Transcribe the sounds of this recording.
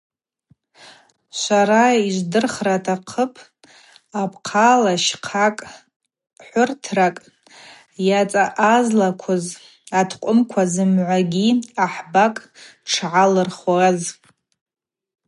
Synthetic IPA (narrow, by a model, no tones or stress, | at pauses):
sʷaɾaiʒʷdɨrχratʰaqʰəpʰ | apʰqʰalaʃqʰakʼ | ħʷʊrtʰrakʼ | jat͡sʼaʔazlakʷʰʊz | atʰqʷʼʊmkʷʰazɨmʕʷaɡʲiaħbakʼʈ͡ʂʰʕalɨrχwaz